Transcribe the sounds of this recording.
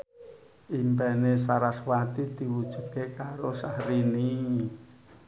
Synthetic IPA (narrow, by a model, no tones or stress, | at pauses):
ʔimpɛnesaɾaswat̪id̪̥i̤wud̥ʒ̥ṳd̪̚kekaɾosahɾini